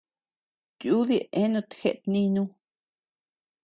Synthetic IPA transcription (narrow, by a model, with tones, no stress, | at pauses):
t̪ju˦ði˦˧ʔẽ˦nũ˧t̪xe˧ʔt̪nĩ˧nũ˧